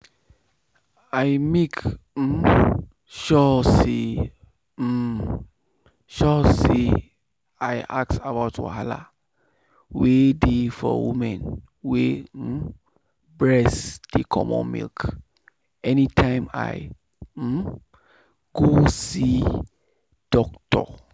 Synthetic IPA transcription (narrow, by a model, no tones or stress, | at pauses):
aɪmek̩ | ʃɔse | ʃɔse | ajʔak̚sabaʊtwa̰ɦala̰ | wedefɔ̰wimɛ̃n | we | bɹɛsd̥ekʰɔ̰mɔ̰̃mḭlk | ɛnitʰãɪ̃ma̰j̩ | ɡ̥osi | d̥ɔktɔ̰